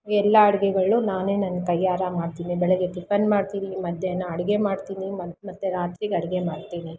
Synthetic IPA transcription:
ɡɛlːɐːɽɐɡɛɡɐɭːunaːneːnɐnɡɐt̪ɐjːaːɾɐmaːɖt̪iːnibɛɭɛɡeɖipʰɐnɖmaːɽt̪iːɾimɐd̪ʱjɐjɐnːɐːɽɐɡemaːɽt̪iːnimɐmɐt̪ːuɾaːt̪ɾiɡɐɽɐɡemaːɽt̪iːni

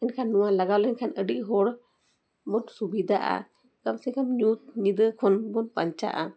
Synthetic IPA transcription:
ɛnkʰanːuwalaɡawlɛɲkʰanəɖiʔ̚ɦɔɽ | mɔtsubid̪ʱaʔa̰ | kamsɛkamɲut̪̚ɲid̪əkʰɔnbɔnpaɲt͡ʃa̰ʔa

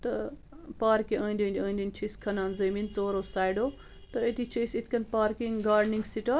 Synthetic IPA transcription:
t̪ɐ | paːɾkiʔɐ̃ːnd̪ʲiːnd̪iɐːnd̪ʲinʲt͡ʃʰiskʰɐnaːnzɐmint͡soːɾoːsaːjɖoː | t̪ɐet̪ʰit͡ʃʰɐjsit̪ʰkɐnpaːɾkiŋɡaːɾɖniŋɡsiʈɐ

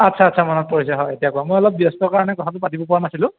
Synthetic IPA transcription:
atsʰaːtːsʰamanɔt̚pɔɹisaɦɔjetijakʊamojɔlɔp̚biɔstɔɹkaɹanɛkɔtʰatʊpatibɔpɔɹanasilʊ̃

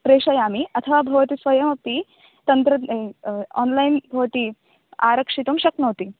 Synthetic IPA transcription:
pɾeʂɐjamiɐt̪ʰəʋabʱɐʋt̪isʋɐjɐmɐp̚p̪i | t̪ɐnt̪ɾə | ɔ̰nlajnbʱɐʋt̪iː | aɾəkʂit̪umɕɐknɐʋt̪iː

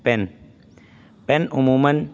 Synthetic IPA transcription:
pɛn | pɛnʔumuman

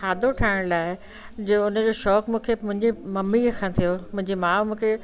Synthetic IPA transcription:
aːd̪ʱoʈʰaːɪɽ̃laːɪ | d͡ʑeʊnə̆d͡ʑoːʃɔːkmũːkʰemʊ̃ɦɪ̃ɲd͡ʑimɐmikʰãːt̪ʰijomʊ̃ɦɪ̃ɲd͡ʑimãːmũːkʰe

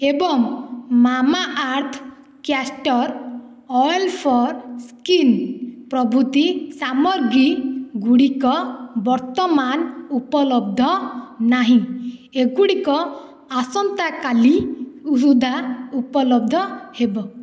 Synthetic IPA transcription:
ebɔŋmamaʔaɾt̪ʰ | kjasʈɔɾ | ɔjlpʰɔɾskinpɾɔbʱut̪isamɔɾɡiɡuɽikɔbɔɾt̪ɔmanupɔlɔb̚d̪ʱɔnaɦĩeɡuɽikɔ | asɔnt̪akaliusud̪ʱaupɔlɔb̚d̪ʱɔhebɔ

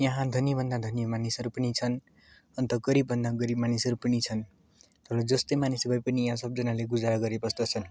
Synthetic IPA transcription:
jʌ̃ɦãd̪ʱʌnjibʱʌnd̪ad̪ʱʌnjʌmanisʌɾupʌnit͡sʰʌn | ʌnt̪ʌɡʌɾibːʱʌnd̪aɡʌɾibmanisʌɾupʌnit͡sʰʌn | t̪ʌɾʌd͡zʌst̪ʌmanisbʌjpʌnijãsʌb̚d͡zʌnaleɡud͡zaɾʌɡʌɾepʌst̪ʌt͡sʰʌn

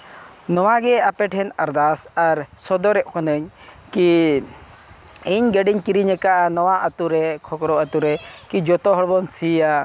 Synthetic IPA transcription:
nɔwaɡɛapɛʈʰɛnəɾd̪asaɾsɔd̪ɔɾɛʔkɔnəɲ | ki | iɲɡɛɖiɲkiɾiɲɛkaʔanɔwaʔət̪uɾɛkʰɔkɾɔət̪uɾɛ | kid͡ʒɔt̪ɔɦɔɽbɔnsia

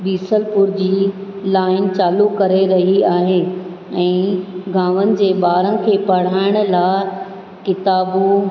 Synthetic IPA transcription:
biːsəlpʊɾd͡ʑiː | laːɪnt͡ɕaːlukɐɾeɾɐɦiaːɦeː | ɛ̃ːɡʱaːʋənɪ̆d͡ʑeːbaːɾənɪ̆kʰeːpɐɽ̤aːɪɽ̃laːɪ | kɪt̪aːbu

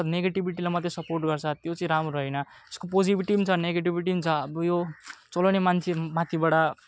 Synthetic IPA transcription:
t̪neɡeʈibiʈilamʌt̪ːjesʌporʈɡʌrt͡sʰʌt̪jot͡sʌĩɾamɾoɾʌɦʌnʌeskopod͡zibiʈibt͡sʰʌneɡeʈ̬ibiʈ̬imt͡sʰʌːbʌjot͡solanemant͡sʰemat̪ʰibaɽa

